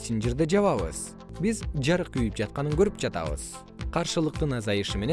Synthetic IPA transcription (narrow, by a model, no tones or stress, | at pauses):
sind͡ʒiɾd̪ed͡ʒɑβɑβɯ̰z | bizd͡ʒɑɾɯqyjyp̚d͡ʒɑt̪̚qɑnɯŋɡøɾyp̚d͡ʒɑt̪ɑ̰βɯ̰z̥ | qʰɑɾʃɯlˠɯq̚t̪ɯnɑzɑjɯʃɯme̞ne